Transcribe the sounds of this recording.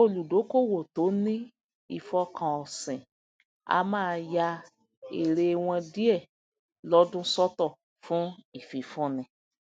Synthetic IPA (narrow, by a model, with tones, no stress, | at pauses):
o˦lu˨do˨˦ko˦˨wo˨to˨˦nĩ˦ | i˨fɔ˧kã˨ɔ˨sɛ̃˨ | a̰˧mãː˦˧ja˧ | e˨ɾe˧w̃ɔ̃˧di˦ɛ˦˨ | lɔ˦dũ˦sɔ˦tɔ˦˨ | fũ˦i˦˨fi˨˦fũ˦nĩ˧